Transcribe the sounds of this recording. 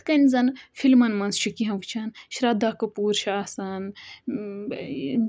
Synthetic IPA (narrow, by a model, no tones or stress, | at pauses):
kɐnʲzɐnfʰilmɐnmɐnst͡ʃʰikiɦɐ̃ʋt͡ʃʰɐnʃɾɐd̪akɐpuːɾʃaːsɐn